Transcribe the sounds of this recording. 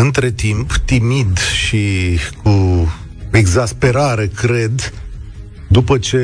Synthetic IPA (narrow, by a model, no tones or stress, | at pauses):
ɨnt̪ɾe̞t̪impt̪imid̪ʃiku | e̞ɡzaspe̞ɾaɾe̞kɾe̞d̪ | d̪upət͡ʃe̞